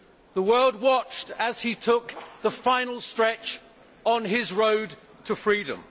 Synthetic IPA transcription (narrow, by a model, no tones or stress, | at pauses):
ðəwɜ˞lˠd̚wɑt͡ʃtəz̥itʰʊk̚ðəfãɪ̃nl̩ˠstɹ̥ɛt͡ʃ | n̩ɪzɹoʊd | tʰəfɹiɾə̰̃m